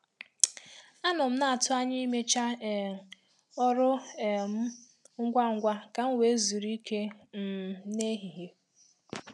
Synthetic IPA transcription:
a˦nɔ˨m̩˦na˨a˨tʊ˦a˦ɲɪ˦i˦me˦t͡ʃa˦˨ | ɔ˦ɾʊ˦˨m̩˦ | ŋ̩˦ɡʷa˦ŋ̩˦ɡʷa˦ka˨ŋ̩˦we˨˦e˦zu˨ɾi˦ke˦m̩˨ne˦ɦi˨ɦe˨

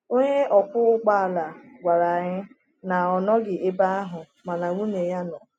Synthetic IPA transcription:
o˦ɲe˦ʔɔ˨kʷʊ˦ʊ˦k͡pa˦a˨la˨ɡʷa˨ɾa˨ɲɪ˦ | na˨ɔ˨nɔ˦ɡɪ˨e˦ba˦a˦ɦʊ˨ | ma˨na˨ŋu˦ne˨ja˦nɔ˨

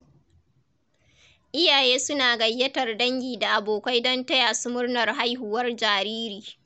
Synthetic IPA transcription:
ʔɪ˦jaː˨jeː˦sʊ˦naː˨ɡɐ˨jːɐ˦tɐ˨rdɐ˦ŋɡʲiː˨da˨ʔa˨boː˨kʷa˦jdɔ˦ntɐ˦jaː˨su˦mʊ˦rnɐ˨rɦa˦jɦʊ˨wɐ˦rd͡ʒaː˨ɾiː˦ɾiː˨

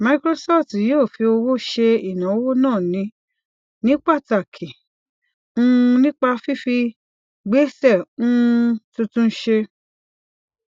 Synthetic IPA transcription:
ma˧ikɾo˧sɔ˦ftjoː˦˨fi˧o˧wo˦ʃe˧i˨nã˨o˦wo˦nãː˦˨nĩ˨˦ | nĩ˨˦k͡pa˦˨ta˨kʰi˨ | ũ˦˧nĩ˦k͡pa˧fi˦fi˧ | ɡ͡be˨˦sɛ˦˨ũ˦˧tũ˧tũ˦ʃe˧

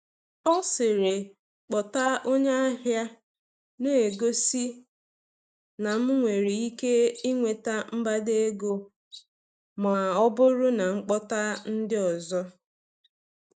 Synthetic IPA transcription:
ɔ˦sɪ˨ɾe˨ | k͡pɔ˨ta˦ʔo˦ɲe˦a˦ɦja˦ | ne˦e˨ɡo˦si˦ | na˨m̩˦ŋʷe˨ɾi˨i˦ke˦i˦ŋʷe˨ta˦m̩˦ba˦de˦e˦ɡo˦ | ma˨ɔ˦bʊ˦ɾʊ˦na˨ŋ͡m̩˦k͡pɔ˦ta˦n̩˦dɪ˦ɔ˨zɔ˦

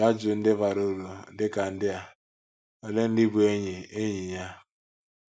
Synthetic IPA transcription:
a˦d͡ʒʊ˨n̩˦dɪ˦va˨ɾo˦ɾo˨˦dɪ˦ka˨n̩˦dɪ˦a˨ | o˨le˦n̩˦dɪ˦bu˦e˦ɲi˨e˦ɲi˨ɲa˦

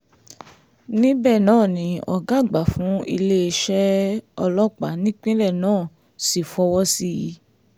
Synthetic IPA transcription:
nĩ˦bɛ˦˨nãː˦˨nĩ˨˧ɔ˨ɡa˦˨ɡ͡ba˨fũ˨˦i˧le˦e˧ʃɛ˦ɔ˧lɔ˦k͡pa˨˦nĩ˦k͡pĩ˦ɾɛ˦˨nãː˦˨ | si˨fɔ˧wɔ˦si˦ji˨˦

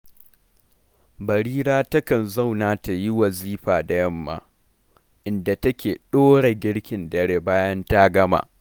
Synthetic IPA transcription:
bɐ˨ɽiː˦ɾaː˦tɐ˦kɐ˨nzɐ˦˨wnaː˨ta˨ji˦wɐ˨ziː˦ɸaː˨da˨jɐ˦mːa̰ː˦ | ʔɪ˨nda˨tɐ˦kʲeː˨ɗoː˦ɽe˨ɡʲɪ˦ɽkʲɪ˨ndɐ˨ɽeː˨baː˦jɐ˦nta˦ɡɐ˦ma̰ː˨

